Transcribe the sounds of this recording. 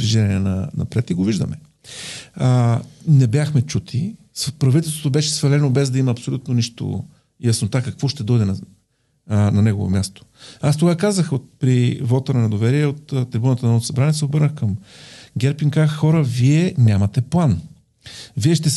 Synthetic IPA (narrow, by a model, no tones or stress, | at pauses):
iʒɛɾniɛnɐ̰nɐ̰pɾɛt̪iɡoviʒd̪ə̰mɛ | nɛbjaxmɛt͡ʃut̪ʰi | spɾɐvit̪ɛlˠst̪vot̪obɛʃɛsvɐlɛnobɛzd̪ɐimɐːpsolʲut̪̚noniʃt̪o̰ | jɐsnot̪akɐkvɔʃt̪ɛd̪ɔjd̪ɛnɐ | nɐnɛɡovo̰mʲjast̪o̥ast̪oɡakazəxot̪̚pɾivɔt̪əɾnɐd̪ovɛɾiɛot̪ːt̪ːɾibunt̪ənmɔt̪sɐbɾanɛsɛobɤɾnəxkɐmɡʲɛɾpiŋkazəxɔɾəviɛnʲamɐt̪ɛplˠan | viɛʃt̪ɛ